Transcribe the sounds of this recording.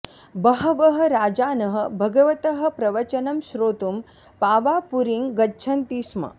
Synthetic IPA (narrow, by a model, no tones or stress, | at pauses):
bɐɦɐʋɐɦɐ̆ɾaːd͡ʒaːnɐɦə̆bʱɐɡɐʋɐt̪ɐɦɐ̆pɾɐʋɐt͡ʃɐnɐmʃɾoːt̪um | paːʋaːpuɾiŋɡɡɐtːt͡ʃʰɐnt̪iːsmɐ̰